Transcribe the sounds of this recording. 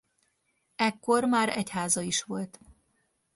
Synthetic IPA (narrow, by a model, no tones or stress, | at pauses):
ɛkːo̞rmaːɾɛchaːzɒiʃʋo̞lt̪